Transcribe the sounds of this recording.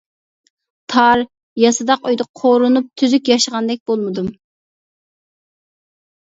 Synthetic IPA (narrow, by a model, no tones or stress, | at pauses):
t̪ʰɑɾ | jɑsɨd̪ɑqyjd̪ɨqʰoɾunup̚t̪ʰyzykʲjɑʃəʁɑnd̪ɛk̚ʲb̥olˠmɨd̪um